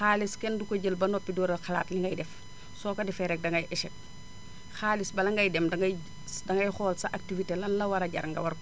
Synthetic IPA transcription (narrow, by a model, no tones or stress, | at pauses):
xaːliskɛndukoɟəlbɐnɔpːidɔɾɐlxɐla̰ːtliŋɡɐjdɛf | sɔːkɐdɛfɛɾɛk̚dɐŋɡɐjʔɛʃɛk̚ | xaːlisbɐlɐŋɡɐjdɛmdɐŋɡɐ | dɐŋɡɐjxɔːlsɐʔak̚tivitelɐnlɐwɐɾɐɟɐ̰ɾŋɡɐ̰wɐɾ